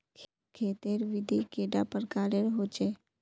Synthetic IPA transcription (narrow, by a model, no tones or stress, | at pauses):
kʰ | kʰeːt̪eɾʋɪd̪ʱikeːɖapəɾkaːɾeɾɦot͡ʃeː